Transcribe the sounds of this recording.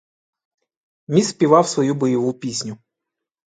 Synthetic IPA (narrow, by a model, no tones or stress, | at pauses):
mʲisʲpʲiʋɑwsʋɔjubɔjɔʋupʲisʲnʲʊ